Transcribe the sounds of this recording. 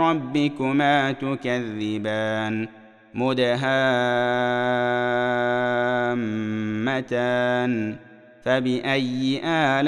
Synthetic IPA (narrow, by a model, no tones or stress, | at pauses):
ɑbːɪkʊmaːt̪ʊkaðːɪbaːn | mʊd̪aɦaː | mːat̪aːn | fabɪʔajːɪʔaːl